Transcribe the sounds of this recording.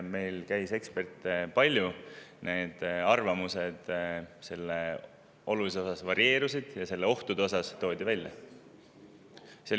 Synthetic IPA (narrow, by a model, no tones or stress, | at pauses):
me̞jlkæjse̞kspe̞rt̪ːˑpɑlʲːjunʔe̞ːd̪̥ɑrvɑmuse̞d̪̥se̞lːe | o̞lulis̬eo̞sɑsvɑɾie̞ːɾusid̪̥jɑse̞lːe̞o̞ht̪ud̪eo̞sɑst̪o̞ːd̪̥ʲivælʲjɑ̰ | se